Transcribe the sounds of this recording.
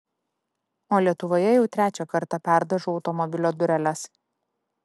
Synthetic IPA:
oːlʲiɛt̪ʊʋoːjɛjɛʊt̪ʲɾʲæːt͡ʃʲoːkɐɾt̪ɐpʲæˑɾd̪ɐʒuːɒʊt̪ɔmɔbʲɪlʲoːd̪ʊɾʲɛlʲɛs

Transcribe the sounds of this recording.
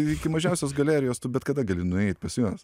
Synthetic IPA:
ɪkʲɪmɐʒʲɛʊsʲoːsɡɐlʲæːɾʲɪjoːst̪ʊbʲɛt̪kɐd̪ɐɡɐlʲɪnʊɛɪt̪̚ʲpɐsʲjuɔs

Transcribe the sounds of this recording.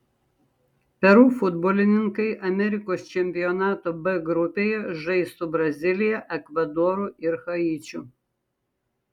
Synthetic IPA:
pʲɛɾuːfʊd̪boːlʲɪnʲɪŋkɐɪʔɐmʲɛɾʲɪkoːst͡ʃʲɛmʲpʲɪjɔnɑːt̪oːbɛɡɾʊpʲeːjɛʒɐɪst̪ubɾɐzʲɪlʲɪjɛʔɛkʋɐd̪ɔːɾuɪɾxɐiːt͡ʃʲʊ

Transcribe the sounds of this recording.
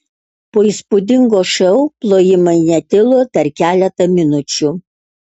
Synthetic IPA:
poːiːˑspʊd̪ʲɪŋɡoːʃɛʊplˠoːjɪmɐɪnʲɛt̪ʲɪlˠoːpʲɛɾkʲæːlʲɛt̪ɐmʲɪnʊt͡ʃʲu

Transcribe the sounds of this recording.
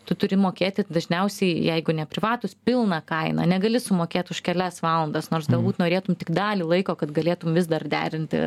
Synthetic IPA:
t̪ʊt̪ʊɾʲɪmoːkʲeːt̪ʲɪd̪ɐʒʲnʲɛʊsʲɛɪjɛɪɡʊnʲɛpʲɾʲɪʋɑːt̪ʊspʲɪlˠnɑkɐɪnɐ̰nʲɛɡɐlʲɪsʊmoːkʲeːt̪ʲʊʃkʲɛlʲæsʋɑːlˠɐnd̪ɐsnoːrsɡɐlˠbuːt̪noːɾʲeːt̪ʊmtʲɪkd̪ɑːlʲiːlˠɐɪkoːkɐt̪ɡɐlʲeːt̪ʊmʋʲɪs̬d̪ɐrd̪ʲæ̰ːɾʲɪnʲt̪ʲɪ̰

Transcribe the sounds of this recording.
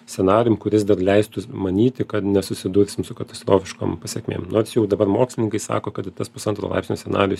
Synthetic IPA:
sʲɛnɑːɾʲɪjʊmkʊɾʲɪsd̪ɐrlʲɛɪst̪ʊmɐnʲiːt̪ʲɪkɐt̪nʲɛsʊsʲɪd̪uːɾʲsʲɪmsʊkɐt̪ɐ̥st̪ɾoːfʲɪʃko̰ːmpɐsʲeɛkʲmʲḛːmnoːɾʲsjɛʊd̪ɐbɐɾmoːksʲlʲɪnʲɪŋkɐɪsɑ̰ːkoːkɐt̪ɪt̪ɐspʊsɐnt̪ɾo̰lˠɐ̰ɪpsʲnʲoːsʲɛnɑ̰ːɾʲɪjʊs

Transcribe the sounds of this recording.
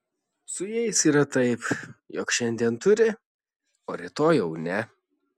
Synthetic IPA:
sʊjɛɪsiːɾɐt̪ɐɪpjɔkʃʲɛnʲd̪ʲiɛnt̪ʊɾʲɪ | oːɾʲɪt̪oːjɛʊnʲɛ

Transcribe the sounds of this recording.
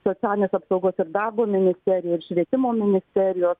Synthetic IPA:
soːt̪sʲæːlʲɪnʲeːsɐpsɒʊɡoːsɪɾd̪ɑrboːmʲɪnʲɪsʲt̪ʲɛɾʲɪjɛːɪɾʃʲʋʲiɛt̪ʲɪmoːmʲɪnʲɪsʲt̪ʲɛɾʲɪjoːs

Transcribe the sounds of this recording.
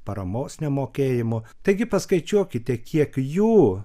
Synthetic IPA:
pɐɾɐmoːsnʲɛmoːkʲeːjɪmʊt̪ɐɪɡʲɪpɐskɐɪt͡ʃʲuɔkʲɪt̪ʲɛkʲiɛkjuː

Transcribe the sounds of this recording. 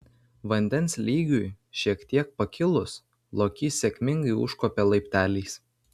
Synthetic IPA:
ʋɐnʲd̪ʲɛnslʲiːɡʲʊj | ʃʲiɛkt̪ʲiɛk̚pɐkʲɪlˠʊs | lˠoːkʲiːsʲɛkʲmʲɪŋɡɐɪʊ̰ʃkoːpʲɛlˠɐɪpʲt̪ʲæːlʲiːs

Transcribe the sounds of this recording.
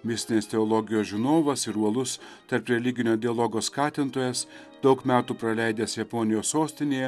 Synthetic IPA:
mʲɪsʲt̪ʲɪnʲest̪ʲɛɔːlˠɔɡʲɪjoːsʒʲɪnoːʋɐsɪɾuɔlˠʊs | t̪ɐɾpɾʲɛlʲɪɡʲɪnʲoːd̪ʲɪɐlˠɔɡoːskɑːt̪ʲɪnt̪oːjɛs | d̪̥ɒʊkmʲæːt̪uːpɾɐlʲæˑɪd̪ʲɛːsjɛpɔnʲɪjoːsːoːsʲt̪ʲɪnʲeːjɛ

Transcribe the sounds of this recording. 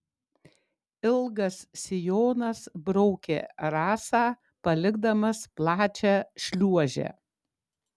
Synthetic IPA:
ɪlˠɡɐsːʲɪjoːnɐsbɾɔʊkʲḛːɾɑːsɑː | pɐlʲɪɡd̪ɐmɐsplˠɑːt͡ʃʲæːʃʲlʲuɔʒʲɛ̰

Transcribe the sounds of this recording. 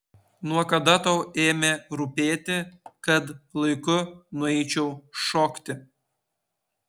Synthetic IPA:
nuɔkɐd̪ɐt̪ɐʊeːmʲeɾʊpʲeːt̪ʲɪkɐt̪lˠɐɪkʊnʊɛɪt͡ʃʲɛʊʃoːkt̪ʲɪ

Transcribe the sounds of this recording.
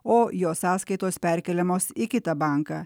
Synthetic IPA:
oːjoːsɑːskɐɪt̪oːspʲɛɾʲkʲɛlʲɛmoːsɪkʲɪt̪ɐbɑˑŋkɑː

